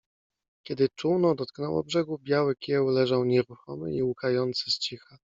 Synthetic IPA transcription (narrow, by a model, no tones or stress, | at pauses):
kʲɛd̪ɘt͡ʂuwnɔd̪ɔt̪knɛwɔ̰bʐɛɡubʲjawɘkʲjɛwlɛʐawɲɛɾuxɔmɘ̰iukajɔnt̪sɘst͡ɕixa